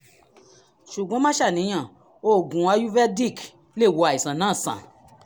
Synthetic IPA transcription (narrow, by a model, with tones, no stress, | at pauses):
ʃu˨ɡõ˨˦mã˦ʃa˦˨nĩ˧˦j̃ã˨ | o˦˨ɡũ˨a˧ju˦vɛ˦di˦˨k | le˦˨wo˧a˨i˨sã˨nãː˦˨sã̰˨